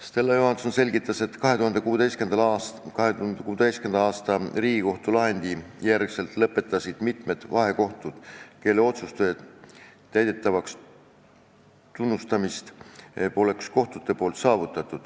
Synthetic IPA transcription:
st̪e̞lːɑjohɑnso̞nse̞lʲɡ̥it̪ːˑɑse̞t̪kɑɦe̞t̪uɦɑnd̪e̞kuːed̪e̞jske̞nd̪ɑkɑheund̪ekuːd̪e̞jske̞nd̪̥ɑɑːst̪ɑriːɡ̥iko̞ht̪ulɑɦe̞nd̪ijjærɡ̥se̞lt̪ˑlɤpːe̞t̪ːˑɑsid̪̥mit̪me̞d̪̥vɑɦe̞ko̞ht̪ud̪̥ke̞lːeo̞t̪sust̪ujɑ | t̪ːæjd̪e̞t̪ːˑɑvɑks | t̪unːust̪ɑmist̪po̞le̞ksko̞ht̪ut̪ːˑe̞po̞ːlt̪sɑːvut̪ːˑɑt̪ːˑud̪̥

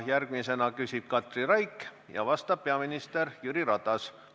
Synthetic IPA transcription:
jærɡ̥mise̞nɑkysʲib̥̚kɑt̪ˑrirɑjkː | jɑ̰vɑst̪ɑb̥̚pe̞ɑminist̪erjyɾiɾɑt̪ːˑɑs

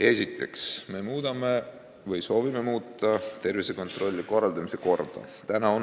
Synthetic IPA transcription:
e̞sit̪ːˑe̞̰ksme̞muːd̪̥ɑme̞ | vɯjso̞ːvime̞muːt̪ˑːɑt̪e̞rvise̞ko̞nt̪ro̞lʲːiko̞rːɑld̪̥ɑmise̞ko̞rd̪̥ɑ̰t̪ænɑon

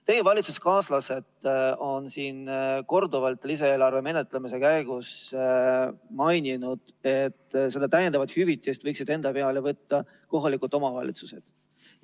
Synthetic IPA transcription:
t̪e̞jevɑlʲit̪su̥skɑːslɑse̞d̪o̞nsiːnko̞rd̪uvɑlt̪lis̬ɑe̞ːlɑrve̞me̞ne̞t̪ˑlemise̞kæjɡ̥us | mɑjnʲinud̪̥e̞t̪ːse̞d̪ɑt̪æjend̪ɑvɑt̪hyvit̪ːˑist̪vɤjksid̪̥e̞nd̪ɑpeɑlevɤt̪ːɑ | ko̞ɦɑlikˑult̪ːˑo̞mɑvɑlḭt̪suse̞d̪̥

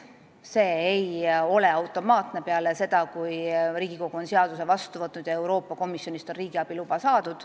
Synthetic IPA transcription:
se̞ːejo̞le̞ɑwt̪ːˑo̞mɑːt̪ne̞peɑlese̞d̪̥ɑkujriːɡ̥iko̞ɡ̥uo̞nseɑd̪̥use̞vɑst̪uvɤt̪nud̪jɑe̞wɾo̞ːpːˑɑko̞misjo̞nist̪onriːɡ̥iɑb̥ilub̥ɑsɑːd̪ud̪̥

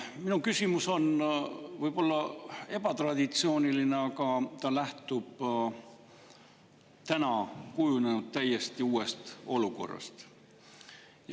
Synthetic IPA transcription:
minukysʲimuso̞nvɤjb̥o̞lːɑe̞b̥ɑt̪rɑd̪̥ʲit̪sioːniline̞ɑkɑt̪ɑlæht̪ub̥ | t̪ænɑkujunenud̪̥̚t̪æjːe̞st̪iuːe̞st̪o̞luko̞̰rːɑ̰st̪ | j

